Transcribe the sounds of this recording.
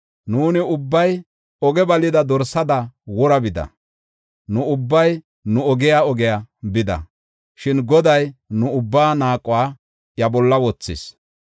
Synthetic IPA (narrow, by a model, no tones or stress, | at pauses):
nuːnɪʊbːɐj | ɔɡɛbɐlɪd̪ɐd̪ɔɾsɐd̪ɐwɔɾɐbɪd̪ɐ̰ | nʊʊbːɐj | nʊɔɡɛjaɔɡɛjabɪd̪ɐ̰ | ʃɪnɡɔd̪ɐjnʊʊbːaːnaːkʼʊwaː | jɐbɔlːɐwɔt͡sːɪ̰s